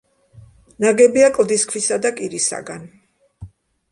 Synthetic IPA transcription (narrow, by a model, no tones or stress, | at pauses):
naɡɛbiakʼlˠd̪iskʰwisad̪akʼiɾisa̰ɡan